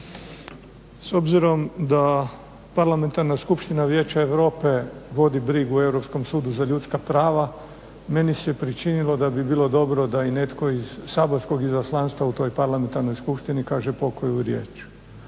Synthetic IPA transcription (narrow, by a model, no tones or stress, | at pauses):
so̞bziɾo̞md̪a | paɾlame̞nt̪aɾnaskupʃt̪inaʋjeːt͡ɕaeʋɾo̞ːpe̞ʋo̞d̪ibɾiɡue̞wɾo̞psko̞msuːd̪uzaʎuːt̪skapɾaːʋa | me̞nisɛpɾit͡ʃinilo̞d̪abibiːlˠo̞d̪o̞bɾo̞d̪aine̞t̪ko̞izsaːboɾsko̞ɡizaslˠanst̪ʋaut̪o̞jpaɾlame̞nt̪aɾno̞jskupʃt̪inikaːʒepo̞kojuɾje̞̰ːt͡ʃ